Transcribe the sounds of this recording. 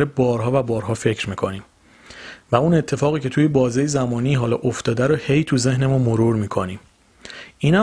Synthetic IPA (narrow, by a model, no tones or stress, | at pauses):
ɾebɒːɾɦɒːvæbɒːɾɦɒːfe̞cʰɾmiːkʰo̞niːm | væune̞t̪ʰːe̞fɒːɣiːcʰe̞t̪ʰuːjebɒːzejezæmɒːniːɦɒːlɒ̰ʔoft̪ɒːd̪æɾɔhe̞jt̪ʰuze̞hne̞mumoɾuɾmiːkʰo̞niːm | iːnhæ